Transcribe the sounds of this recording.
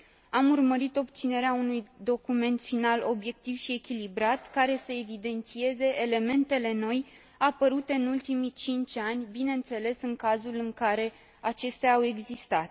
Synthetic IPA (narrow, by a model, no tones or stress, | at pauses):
amurməɾit̪o̞b̚t̪sine̞ɾeaunujd̪o̞kume̞nt̪finalo̞bje̞k̚t̪iv̥ʃie̞kʲilibɾat̪kaɾe̞səe̞vid̪e̞nt̪sie̞ze̞ele̞me̞nt̪e̞le̞no̞j | apəɾut̪e̞ɨnult̪imit͡ʃint͡ʃʲanʲbine̞nt̪se̞le̞sɨŋkazulɨŋkaɾe̞ | at͡ʃe̞st̪eaːwe̞ɡzist̪at̪